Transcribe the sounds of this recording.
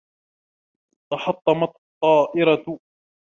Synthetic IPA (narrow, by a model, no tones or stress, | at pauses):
t̪ɑħɑt̪ˤːɑmɑt̪t̪ˤːɑːʔɪɾɑ